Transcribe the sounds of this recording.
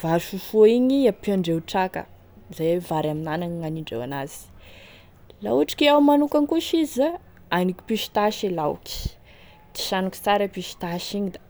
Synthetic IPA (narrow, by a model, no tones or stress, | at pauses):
vaʃufuiɲiapaɳɖ͡ʐeuʈ͡ʂakə̰ | zavaɾaminanaɲiŋaniɳɖ͡ʐḛwa̰naz̥i̥ | lauaʈ͡ʂi̥kʲeawmanukaŋkuʃiza | anikʲi̥piʃi̥t̪aʃilawki̥ | t̪i̥ʃanuki̥t͡saɾəpiʃi̥t̪aʃiɲid̪a